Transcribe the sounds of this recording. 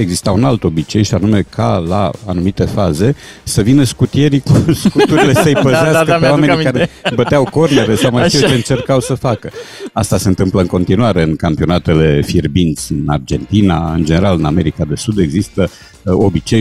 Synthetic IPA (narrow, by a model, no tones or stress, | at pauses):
e̞ɡzist̪aunalt̪o̞bit͡ʃe̞jʃianume̞kʰala̰anumit̪e̞faze̞ | səvinəskut̪ije̞ɾikuskut̪uɾile̞səjpəzeasəəowameikaɾebətt̪eawko̞rne̞ɾe̞sawmajfit͡ʃeɨnt͡ʃe̞rkawsəfakəast̪ase̞ɨnt̪ɨmpləɨŋko̞nt̪inuaɾe̞ɨnkampio̞nat̪e̞le̞firbint̪sʲɨna̰rd͡ʒe̞nt̪ina̰ɨ̰nd͡ʒe̞ne̞ɾalɨname̞ɾikad̪e̞sud̪e̞ɡzist̪ə | o̞bit͡ʃe̞j